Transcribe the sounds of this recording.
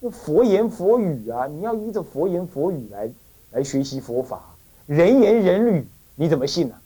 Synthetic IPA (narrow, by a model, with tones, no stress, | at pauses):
ə˥˩fwɔ˧˥jɛ˧˥nfwɔ˧˥y˨˩ɐ˦ni˨˩jɑ˥˧ʊi˥ʈ͡ʂə˥˩fwɔ˧˥jɛ˧˥nfwɔ˧˥y˨˩la˧˥ɪ | la˧˥ɪɕɥɛ˧˥ɕi˧˥fwɔ˧˥fa̰˨˩˦ | ɻə˧˥nɥɛ˧˥nɻə˧˥nly˨˩˦ | ni˧˥t͡sə˨˩mə˦ɕi˥˩nə˩